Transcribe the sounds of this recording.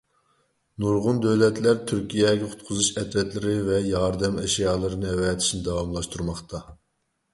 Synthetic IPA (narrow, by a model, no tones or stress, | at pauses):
nuɾʁʊnd̪øwlɛt̪læɾt̪ʰyɾkʲʰijɛɡʲɛqʰʊ̥t̪̚qʰʊzuʃɛt̪vɛt̪lɪɾɪvɛjɑɾd̪ɛmɛʃijɑːlˠɨɾɨnɨɛwɛːt̪ʰɪ̥ʃnɪd̪ɑwɑmlˠɑʃt̪uɾmɑχt̪ʰɑ